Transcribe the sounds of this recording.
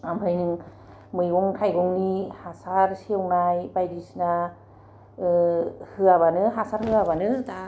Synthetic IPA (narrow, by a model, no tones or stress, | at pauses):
ambʱʰajnɯŋ | mɯjɡɔŋkʰajɡɔŋnihasaɾsiwnajbajdisna | hɯaβanɯɦasaɾhɯaβanɯ